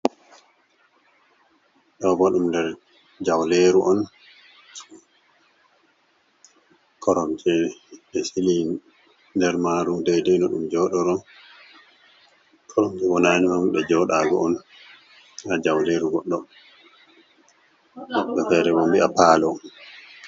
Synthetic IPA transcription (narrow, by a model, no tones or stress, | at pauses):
ɗɔbɔɗumndɛɾ | d͡ʒawleɾuʔɔn | kʰɔɾɔmt͡ʃɛɗɛsili | ndɛɾmaɾudɛjdɛnɔɗumd͡ʒɔːɗɔɾɔ | kʰɔɾɔmd͡ʒɛwɔnanimamɗɛd͡ʒɔɗaɡɔ̰ɔn | ad͡ʒawleɾuɡɔɗːɔ | wɔɓɛtɛɾɛwɔmbiapaːlɔ